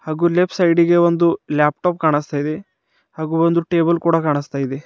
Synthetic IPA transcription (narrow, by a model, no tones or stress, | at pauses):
haːɡuːlepʰsɐjɖiɡeʋond̪uljaːp̚ʈoːp̚kaːɳist̪aːjid̪e | haːɡuːond̪uʈeːbɐlkuːɽɐkaːɳist̪aːjid̪e